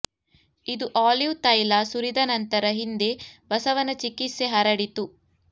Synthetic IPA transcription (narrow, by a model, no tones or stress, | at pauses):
id̪uʔaːliʋt̪ɐjlasuɾid̪ɐnɐnt̪ɐɾɐɦind̪e̞bɐsɐʋɐnɐt͡ʃikiseɦɐɾɐɽit̪u